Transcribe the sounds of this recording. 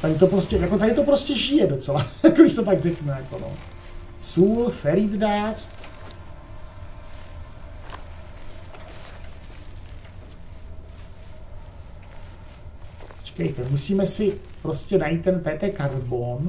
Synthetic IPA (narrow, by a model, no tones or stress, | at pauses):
t̪adɪt̪o̞pɾoscɛjako̞t̪adɪt̪o̞pɾo̞scɛʒɪjɛdot͡sɛlajakodɪʃt̪o̞t̪aɡrɛkmɛjako̞no̰ | suːlfɛɾid̪dast̪ | t͡ʃkɛjt̪ɛmusiːmɛsɪpɾoscɛnajit̪ːɛnt̪ɛt̪ɛkaɾbon